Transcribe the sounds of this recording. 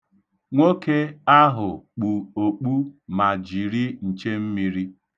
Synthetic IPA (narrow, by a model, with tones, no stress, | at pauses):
ŋʷo˦ke˦a˦ɦʊ˨k͡pu˨o˨k͡pu˦ma˨d͡ʒi˨ɾi˦n̩˨t͡ʃe˦m̩˦mi˦ɾi˦